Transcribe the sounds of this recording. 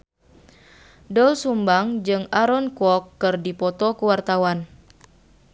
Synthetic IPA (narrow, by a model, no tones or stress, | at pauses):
dɔlsumbaŋd͡ʒɨŋaɾɔnkɔkːɨrdipɔt̪ɔkuwart̪awan